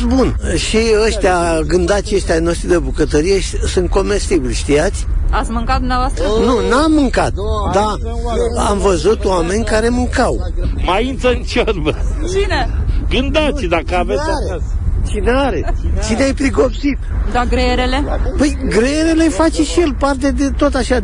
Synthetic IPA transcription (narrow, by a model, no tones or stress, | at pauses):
bun | ʃiəʃt̪eaɡɨnd̪at̪ʃəʃt̪ʲano̞ʃt̪ɾid̪ebukət̪əɾijeʃisunt̪̚ko̞me̞st̪ibilʲʃt̪ijat̪sʲat̪sʲmɨŋkat̪d̪umnavoast̪ənunamːɨŋkat̪̚d̪a | a̰mvəzut̪oame̞nʲkaɾe̞mɨŋkawmaint̪səɨnt͡ʃerbə | t͡ʃineɡɨnd̪at̪sʲd̪akəave | t͡ʃineaɾet͡ʃineajpɾiɡo̞psit̪d̪aɡɾeeɾelepəjɡɾejeɾe̞le̞fat͡ʃeʃije̞lpart̪e̞d̪e̞t̪ot̪aʃa